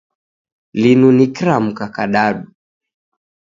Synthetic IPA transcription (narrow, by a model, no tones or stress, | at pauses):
linunikɾam̩kakaɗaɗu